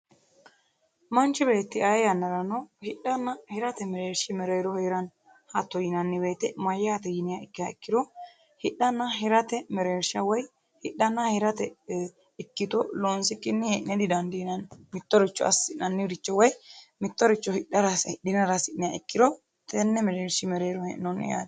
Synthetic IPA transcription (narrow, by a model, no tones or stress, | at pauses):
mɐnt͡ʃːɪbeːt̪ːɪajjɐnːɐɾɐnohɪɗːɐnːɐhɪɾɐt̪ɛmɛɾeːɾʃɪmɛɾɛjɾɔheːɾɐn | hɐt̪ːɔjɪnɐnːɪbe̞ːt̪ːɛmɐjːaɐt̪ɛjɪnɪjaɪkːɪjɐɪkːɪd̪ɔ | hɪɗɐnːɐɦɪɾɐt̪ɛmɛɾeːɾʃɐwɔj | hɪɗːɐnːɐhɪɾɐt̪ɛ | ɪkːɪt̪ɔloːnsɪkːɪnːɪhɛʔnɛd̪ɪd̪ɐnd̪ɪnɐnmɪt̪ːɔɾɪt͡ʃːɔɐ̰sɪnɐnːɪɾɪt͡ʃːɔwɔjmɪt̪ːɔɾɪt͡ʃːɔhɪɗːɐɾɐshɪɗɪnɐɾɐsɪʔnɪjaɪkːɪd̪ɔ | t̪ɛnːɛmɛɾeːɾʃɪmɛɾeːɾɔhɛ̰nɔnːɪ̰ja̰ːd̪